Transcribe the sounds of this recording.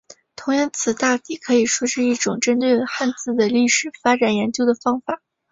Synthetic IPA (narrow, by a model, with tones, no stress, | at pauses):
t̪ʰʊ˧˥ŋjɑ˥˧nt͡sʰɹ̩˨˩t̪a˥˩t̪i˥˩kʰɤ˧˥i˨˩ʂwɔ˥ʂɻ̩˥˧i˥˩ʈ͡ʂʊ˨˩ŋʈ͡ʂə˥nt̪̬we˥˧ɪxa˥˧nt͡sɹ̩˥˩d̪ə˩li˥˩ʂɻ̩˨˩fa˥ʈ͡ʂa˨˩njɛ˧˥nt͡ɕjo˥ʊd̪ə˩fɑ˥ŋfa˨˩˦